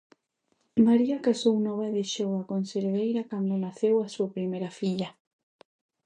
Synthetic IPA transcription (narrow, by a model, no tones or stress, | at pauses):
maɾiakasownɔβaeðeʃowakonseɾβejɾakand̪onaθewasuapɾimejɾafiʎa